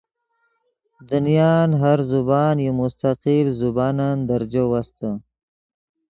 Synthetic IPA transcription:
d̪unijɑnɦaɾzubɑːnjemʊst̪aqilzubɑːnand̪aɾd͡ʒawast̪ʰə

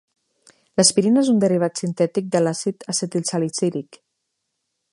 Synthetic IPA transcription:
ləspiɾinezund̪əriβ̞at̪sint̪ɛt̪ik̚d̪əlasit̪aset̪ilsalisiɾik

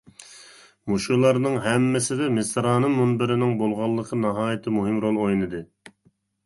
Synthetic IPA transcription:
muʃujlˠɑɾnɨŋɦɛmːɪsɪd̪ɛmɪsɾɑːnɨmunbɪɾɪnɪŋbolˠʁɑlˠːəqʰənɑɦɑːjɪt̪ʰɪmuɦɪmɾolˠojnɨd̪ɨ

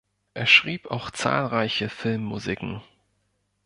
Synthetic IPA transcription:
ʔeːɐʃʁ̥iːpa̰ʊxt͡sa̰ːlʁaɪçəfɪlmːuzikŋ̩

